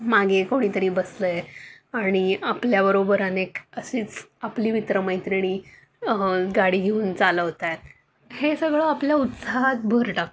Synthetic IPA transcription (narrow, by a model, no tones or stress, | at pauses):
maɡekoɽ̃iːt̪əɾiːbəsləaɽ̃iapljabəɾobəɾanekəsiːt͡sapliːʋit̪ɾəməjt̪ɾiɽ̃i | ɡaɽiːɡʱeuːnt͡saləʋɦt̪ajt̪ | hesəɡɭəapljaut̪saɦat̪̚bʱəɾʈak